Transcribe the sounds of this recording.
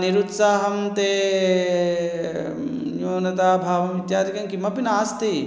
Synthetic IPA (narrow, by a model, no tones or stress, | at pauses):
niɾut̪saːɦɐmt̪eː | joːnɐt̪aːbʱaːʋɐmʋit̪jaːd̪ikɐmkimɐpinaːst̪i